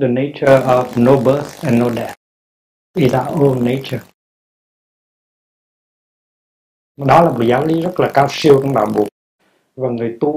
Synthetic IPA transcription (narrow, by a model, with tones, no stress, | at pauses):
ðə˨ne˧˦t͡ʃə˧ɔ˨vno˧ɓə˦θɛ̃˨nːo˧ɗɛ˧t̚ | i˨zə˨˩ʔo˦nːe˧˦t͡ʃə˩ | ɗɔ˨˦laː˨˩mo˨˩t̚zaː˨˦wli˨˦zə˦˥t̚laː˨˩kaː˧wsi˧əwt͡ɕɔ˧˦wŋ͡mɓaː˨˩wɓu˨˩ək̚ | vaː˨˩ŋɨ˨˩əjt̪u˧